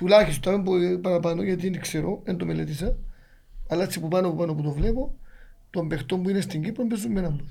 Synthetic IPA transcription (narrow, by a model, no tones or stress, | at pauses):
t̪ulaxist̪amembopaɾapanojat̪̬ienikseɾoend̪omelet̪is̬a | alat͡sːipupanopupanoput̪oflepot̪uambext̪ombuinest̪iŋɡipombes̬umːenambo